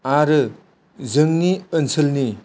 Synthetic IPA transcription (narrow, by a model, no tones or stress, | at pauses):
aɾɯ | zɯŋniənsʰɯlni